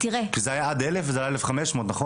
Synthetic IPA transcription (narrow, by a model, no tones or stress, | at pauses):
t̪iʁekizeajaad̪elefvzeajaelefχameʃmo̞ːt̪naχo